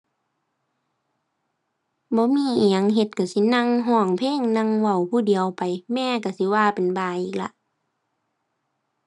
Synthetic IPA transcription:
bɔː˧˦miː˧˥˨ɲa˧˨ŋɦe˧t̪̚ka˧˩si˧˦na˧˨ŋɦɔː˧˩˨ŋpʰeː˧˥˨ŋna˧˨ŋwa˧˩wpʰuː˧˩˨di˨əwpa˨jmɛː˧˨ka˧˩si˧˦waː˧˨pe˨nbaː˧˩ʔiː˧˨˩k̚la̰˧ʔ

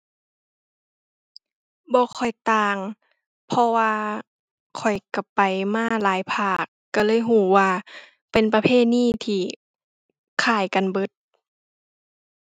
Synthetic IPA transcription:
bɔː˧˦kʰɔ˨˩jt̪aː˧ŋ | pʰɔ˧waː˧ | kʰɔ˨˩jka˧˩pa˨jmaː˧˥˧laː˨˦jpʰaː˧˩kːa˧˩lɤː˧˥˨jɦuː˧˩waː˧ | pe˨npa˧pʰeː˧˥˨t̪̚niː˥˨t̪ʰiː˧˩ | kʰaː˧˩jka˨nbɤ˧˥t̪̚

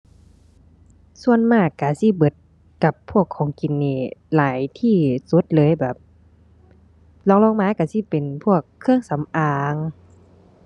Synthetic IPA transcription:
su˧˨ənmaː˧˩kːa˧˩si˧˦˨bɤ˧˦t̪̚ | ka˧˩pʰːu˧˩əkʰːɔː˨˦ŋki˨˩nːiː˧˩laː˨˦jt̪ʰiː˧˩su˧˦t̪̚lɤː˨˦jbɛː˨˩p̚ | lɔː˧˦ŋlɔː˧˥˨ŋmaː˨˧˥ka˧˩si˧˦pe˨npʰu˧˩əkʰːɯ˧əŋsa˨˦mʔaː˧ŋ

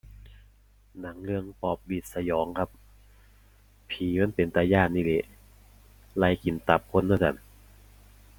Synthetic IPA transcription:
na˩˦ŋlɯ˧əŋpɔː˧˩p̚li˧˩t̪̚sa˧jɔː˨˦ŋkʰa˧˥p̚ | pʰiː˨˦ma˧˥˨npe˨nt̪a˧jaː˧˩nnːiː˧˥˩le˧˥ʔ | la˧˥jki˨˦nt̪a˨˦p̚kʰo˧˥˨nːa˧˥˩ka̰˧˩n

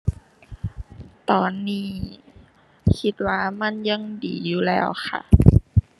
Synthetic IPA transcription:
t̪ɔː˨nːiː˧˥˩ | kʰi˧˥t̪̚waː˧˩ma˧˥˨nja˧˥˨ŋdḭː˨˩juː˧˩lɛ̰ː˧˩wxʰa̰˧˩ʔ

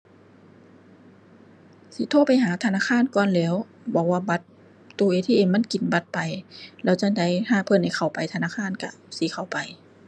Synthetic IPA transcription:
si˧˦t̪ʰoː˧˥˨pa˨jɦaː˨˦t̪ʰa˧naː˧˥˨xʰaː˧˥˨nkɔː˧˨nlɛː˧˥w | bɔ˨˦wːaː˧˩ba˧˦t̪̚ː | uː˧ʔeː˧˦t̪ʰiː˧˨eː˨˧˩nma˧˥˨nki˨˦nba˧˦t̪̚pa˨jlɛː˧˥˩wt͡ɕa˧˥da˧˦jhʰaː˧˨pʰɤ˧˨nha˧˩jxʰa˨˩wpa˨jt̪ʰa˧naː˧˥˨xʰaː˧˥˨nka˧˩si˨˦xʰa˨˩wpa˨j

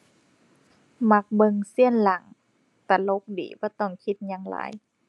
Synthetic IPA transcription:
ma˧˦k̚bɤ˧ŋsi˧˩˨ənla˨˦ŋ | t̪a˧˩lo˧˦k̚dḭː˨˦bɔː˧˩˦t̪ɔ˧˩ŋkʰi˧˦t̪̚ɲaː˧˥ŋla̰ː˨˦j

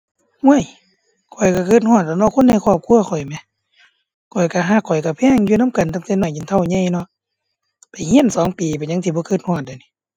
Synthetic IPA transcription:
hu˧˥˨ə˨j | kʰɔ˨˩jka˧˩kɤː˧˩t̪̚hɔː˧˨t̪̚ːa˧nɔ˧˨kʰo˧˥˨nːa˧˩˨kʰɔː˧˩p̚kʰu˧˨ɐxʰɔ˨˩jmɛ˧˦ | kʰɔ˨˩jka˧˩ɦaː˧˩kʰːɔ˨˩jka˧˩pʰɛː˧˥˨ŋjuː˧˨na˧˥˨mka˨nt̪a˧˩ŋt̪e˧˨nɔː˧˩jɲi˨nt̪ʰa˧˨wɲa˧˥˨jnɔ˧˨ʔ | pa˨jhi˧˥˨nsɔː˨˦ŋpiː˨˩pa˨ɲa˧˥ŋt̪ʰiː˧˩bɔː˧˦kɤː˧t̪̚hɔː˧˩˨t̪̚da˨˩˨ni˧˦

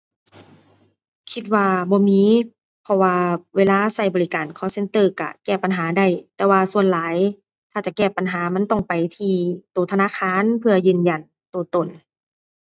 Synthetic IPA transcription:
kʰi˧t̪̚waː˧bɔː˧˦miː˧˥ | pʰɔ˧waː˧weː˧laː˧˨sa˧˩jbɔː˨li˧kaː˨˩nkʰɔː˧˨se˧˨nt̪ɤː˧˨ka̰˧˩kɛː˧˩pa˨nɦaː˨˦da˧˩˨jt̪ɛː˧waː˧su˧ənlaː˨˦j | t̪ʰaː˧˩t͡ɕa˧˨kɛː˧˩pa˨nɦaː˩˦ma˧˥˨nt̪ɔ˧˩ŋpa˨jt̪ʰiː˧˩t̪uː˨˩t̪ʰa˧naː˧˥˨kʰaː˧˥˨npʰɯ˧ɐjɯː˧˩˨nja˨˧˩n | t̪u˨˩t̪o˨˩n

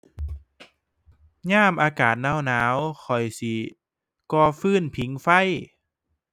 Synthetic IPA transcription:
ɲaː˥˩mʔaː˧kaː˨˩t̪̚naː˧˥˩wnaː˨˦wxʰɔ˨˩jsi˧˦ | kɔː˧˩fɯː˧˥˩npʰi˨˩˦ŋfa˧˥˩j

